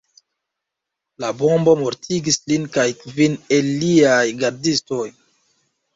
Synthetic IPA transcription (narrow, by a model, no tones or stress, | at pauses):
labombo̞moɾtʰiɡislinkajkvinelːiajɡaɾdisto̞j